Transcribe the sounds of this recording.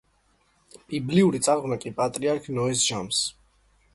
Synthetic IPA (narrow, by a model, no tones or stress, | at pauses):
bibliuɾit̪sʼaɾʁnakʼipʼat̪ʼɾiaɾkʰnɔɛsʒams